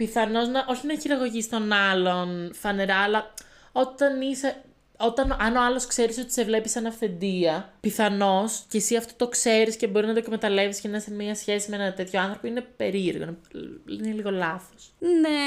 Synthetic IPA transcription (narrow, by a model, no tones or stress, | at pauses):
piθɐno̞znɐʔo̞çinɐçiɾɐɣo̞ʝist̪o̞nɐlo̞nfɐne̞ɾɐːlɐ | o̞t̪ɐnise | o̞t̪ɐnʔɐno̞ɐloskse̞ɾiso̞t̪i̥se̞vle̞pisɐnɐfθe̞nd̪iɐpiθɐno̞scesiɐft̪o̞t̪o̞kse̞ɾisce̞bo̞ɾinɐt̪̬okme̞t̪ɐle̞viscenɐsemiɐsçe̞simeenɐt̪e̞t̪ço̞ɐnθɾo̞poine̞pe̞ɾieɾɣnineliɣo̞lɐθo̥sne